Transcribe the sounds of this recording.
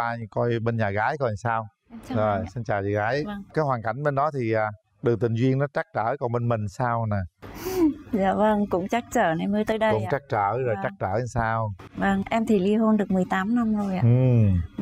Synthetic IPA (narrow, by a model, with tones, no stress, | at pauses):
aː˧kɔ˧jɓe˧nɲaː˨˩ɣaː˨˦jkɔ˧˨saː˧w | zo˨˩jsi˧nt͡ɕaː˨˩zi˨˩ɣaː˨˦jkaː˨˦jhwaː˨˩nka̰˧˩jŋ̟ɓe˧nɗɔ˨˦t̪ʰi˨˩ʔaː˨˩ | ɗɨ˨˩k̚t̪ï˨˩ŋ̟zwi˧ənːɔ˨˦t͡ɕa˦˥k̚t͡ɕəː˧˩kɔ˨˩nɓe˧nmï˨˩ŋ̟saː˧wnaː˨˩ | za̰ː˧və˧ŋkʊ̰˧˥ŋ͡mt͡ɕa˦˥k̚t͡ɕəː˧˩na˨˩jmɨ˨˦t̪əː˨˦jɗə˧kʊ̰˧˦ŋ͡mt͡ɕa˦˥k̚t͡ɕəː˧˩zo˨˩jt͡ɕa˦˥k̚t͡ɕəː˧˩˧saː˧wvə˧ŋʔɛ˧mt̪ʰi˨˩li˧əɦo˧nɗɨ˨˩ək̚mɨ˨˩əjt̪aː˨˦mna˧mzo˨˩jʔa̰ː˧˨ʔɨ˨˩